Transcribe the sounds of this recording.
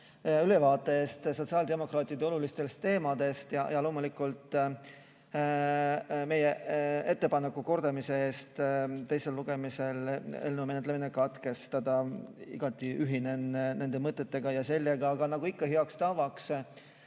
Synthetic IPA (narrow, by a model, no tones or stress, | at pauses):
ylevɑːt̪ːˑe̞eːst̪so̞t̪siɑld̪e̞mo̞krɑːt̪ˑid̪eo̞lulist̪e̞lst̪e̞ːmɑd̪e̞st̪jɑ̰jɑlo̞ːmulikːˑult̪ˑ | me̞jee̞t̪ːe̞pɑnekːuko̞rd̪̥ɑmise̞e̞ːst̪t̪ːe̞jse̞lːuɡ̥e̞mise̞lḛlnumenet̪leminekɑt̪ke̞st̪ɑd̪̥ɑḭɡ̥ɑt̪ːˑiʔyɦine̞nne̞nd̪e̞mɤt̪ːˑe̞t̪ːe̞ɡ̥ɑjɑse̞lʲːeɡ̥ɑːɡ̥ɑnɑɡ̥uikˑːɑɦeɑkst̪ɑvɑks